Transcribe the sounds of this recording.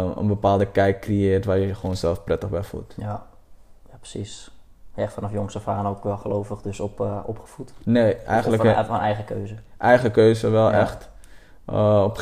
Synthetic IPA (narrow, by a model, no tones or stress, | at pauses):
ə̰nbəpaːlˠdəkɛjkːriɪːrtʋajəəχʋoːnsɛlˠfprɛtəχbɛfṵtja | japə̥sis | ɛfanɔfjoŋsəfaːnoːkʋɛlˠχəloːfəχdøsɔɔ̰pχə̥futneːɛjxəntləɔnɛjɣəkøːzəʔɛjχəkøːzəʋɛlˠɛ̰xt | ɔp